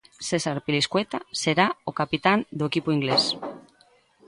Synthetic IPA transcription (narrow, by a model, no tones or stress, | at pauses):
sesaɾpiliskwet̪aseɾaokapit̪and̪oekipoiŋɡles